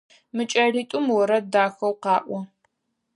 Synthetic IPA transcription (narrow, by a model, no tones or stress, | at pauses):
mɨt͡ʃʼɐriːtʼʊmwɔɾɐdaːxɐwqɑːʔʷɔ